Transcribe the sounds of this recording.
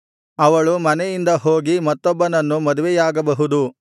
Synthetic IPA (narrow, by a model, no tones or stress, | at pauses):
ɐʋɐɭumɐnɛjind̪ɐɦoːɡimɐt̪ːɔbːɐnɐnːumɐd̪uʋɛjaːɡɐbɐɦud̪u